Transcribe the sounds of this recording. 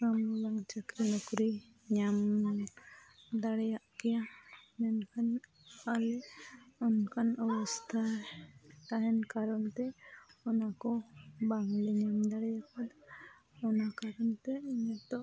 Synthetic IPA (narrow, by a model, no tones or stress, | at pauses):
ɾamulaŋt͡ʃəkɾinɔkɾi | ɲam | d̪aɽɛjaʔkɛjanɛnkʰan | alɛɔnkanɔwɔst̪ʰa | t̪aɦɛnkaɾɔnt̪ɛɔnakɔbaŋliɲamd̪aɽɛjakad̪a | ɔnakaɾɔnt̪ɛiɲɛt̪ɔʔ